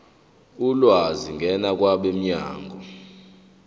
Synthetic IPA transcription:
ulwaziŋɡʱɛnak̬ʼwaɓem̩ɲa̰ːŋɡʱɔ

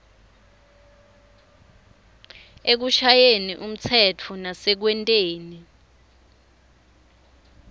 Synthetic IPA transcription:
ek̬uʃajeniʔum̩t͡sʰɛt͡fʰɔnasɛk̬wɛntʼeːni

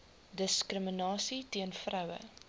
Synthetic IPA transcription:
dəskrəmənɑːsitiənfrœwə̰

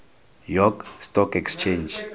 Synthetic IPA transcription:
jɔɡstɔkɛkst͡ʃʰend͡ʒ

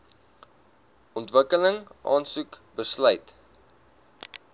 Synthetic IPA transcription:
ɔntvəkələŋʔɑ̰ːnsukbəslœɥt

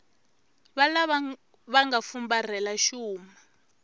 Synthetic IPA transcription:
βala | βaŋɡafumbar̤ɛlaʃuːma

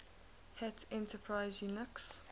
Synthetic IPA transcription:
hɛtʰɛ̃ntəpʰɹaɪzjunɪks

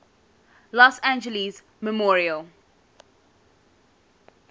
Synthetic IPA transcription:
lɔsæ̃nd͡ʒəliz | məmɔːɹiəlˠ

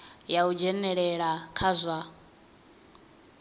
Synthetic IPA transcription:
jaud͡ʒɛnɛɺɛɺakʰazʷa

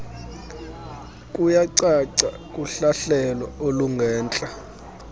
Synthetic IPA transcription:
kʼujaǀaǀa | kʼuɬaɬɛlɔoluŋɡʱɛːnt͡ɬʼa

